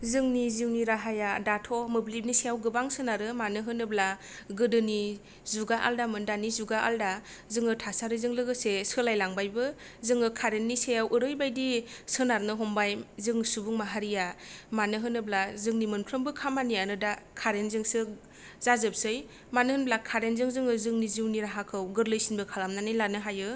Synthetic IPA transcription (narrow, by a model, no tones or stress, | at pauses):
zɯŋnizɯŋniɾaɦajadatʰɔmɯblip̚nisejawɡɯbaŋsɯnaɾɯmanɯɦɯnɯbla | ɡɯdɯni | zuɡaʔa̰ldamɯndanizuɡaʔa̰lda | zɯŋɯtʰasaɾɯzɯŋlɯɡɯsesɯlajlaŋbajbɯ | zɯŋɯkʰaɾenːisejawʔɯɾɯjbajdisɯnaɾnɯɦɔmbajzɯŋsubuŋmaɦaɾijamanɯɦɯnɯblazɯŋnimɯnpʰɾɯmbɯkʰamanijanɯdakʰaɾenzɯŋsɯ | zazɯp̚sɯj | manɯhɯnblakʰaɾenzɯŋzɯŋɯzɯŋniziwniɾaɦakʰɯwɡɯɾlɯjsinbɯkʰalamnanɯjlanɯɦajɯ